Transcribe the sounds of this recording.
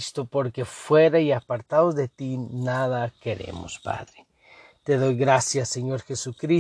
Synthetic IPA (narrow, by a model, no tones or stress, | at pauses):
st̪opo̞ɾke̞fwe̞ɾaiapaɾt̪aðozðe̞t̪inaðakeɾḛmo̰spa̰ðɾe | t̪e̞ðo̞jɣɾasjaseɲo̞ɾxesukɾi